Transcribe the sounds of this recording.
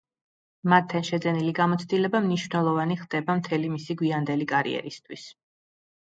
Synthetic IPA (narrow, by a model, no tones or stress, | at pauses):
mat̪ʰːɛnʃɛd̪zɛniliɡamɔt̪sʰd̪ilɛbamniʃvnɛlˠɔvaniχd̪̥ɛbamt̪ʰɛlimisiɡwiand̪ɛlikʼaɾḭɛ̰ɾist̪ʰwis